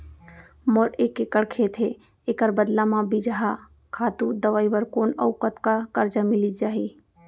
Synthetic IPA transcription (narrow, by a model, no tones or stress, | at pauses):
moːɾeːkekəɽkʰet̪ʰe | eːkəɾbəd̪lamãbid͡ʒaɦa | kʰaːt̪ũd̪əʋaːiʋəɾkoːnɐʊkət̪kakɐɾd͡ʒamɪlid͡ʒaːɦi